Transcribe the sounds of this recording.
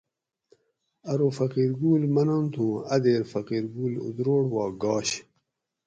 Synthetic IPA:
ɐɾofɐqiːɾɡuːlmɐnont̪ʰũɐd̪eːɾfɐqiːɾɡuːlṵd̪ɾoːɽwɑːɡɑːɕ

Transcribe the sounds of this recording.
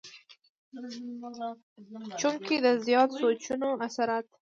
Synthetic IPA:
t͡ʃumked̪əzjɑt̪sot͡ʃunoasaɾat̪

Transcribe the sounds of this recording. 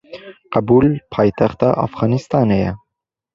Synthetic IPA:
qɑbuːlpʰɑːjt̪ʰaxt̪ɑʔa̰fɣɑːnist̪ɑːnejɛ

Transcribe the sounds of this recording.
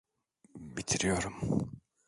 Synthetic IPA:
bit̪ʰiɾijoɾum

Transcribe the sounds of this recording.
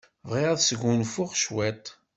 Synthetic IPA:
vʁiʁaðsəɡunfʊʁʃwæt̪

